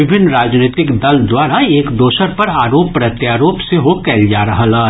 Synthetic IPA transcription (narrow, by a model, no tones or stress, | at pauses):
ɪbʱɪnːɾaːd͡ʒneːt̪ɪkd̪ɐld̪waːɾaeːkd̪oːʃəɾpɐɾaːɾoːppɾɐt̪jaːɾoːpseɦokɛːld͡ʒaːɾɐɦalaː